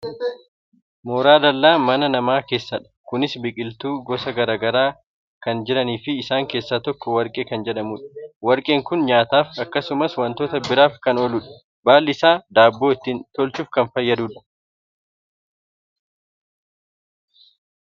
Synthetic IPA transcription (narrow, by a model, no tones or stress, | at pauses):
moːɾaːd̪ɐlːaːmɐnɐnɐmaːke̞ːsːɐᶑɐ̥kʊnɪsbɪkʼɪlt̪uːɡɔsɐɡɐɾaːɡɐɾaː | kɐnd͡ʒɪɾɐniːfɪːsaːŋke̞ːsːaːt̪ɔkːɔwɐɾkʼeːkɐnd͡ʒɛᶑɐmuːᶑɐ̥wɐɾkʼeːŋkʊnɲaːt̪aːfɐkːɐsʊmɐswɐnt̪o̞ːt̪ɐbɪɾaːfkɐnɔlʊᶑɐ̥ | baːlːɪsaːd̪aːbːo̞ːɪt̪ːɪnt̪ɔlt͡ʃuːfkɐnfɐjːɐd̪uːᶑɐ̥